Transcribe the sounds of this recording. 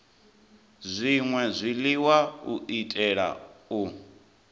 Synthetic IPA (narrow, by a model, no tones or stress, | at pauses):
zʷiŋwɛzʷiliwaṵʔitʼɛɺa̰u